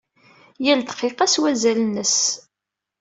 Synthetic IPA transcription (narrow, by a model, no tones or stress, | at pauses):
jæld̪qːeqæswæzælnəs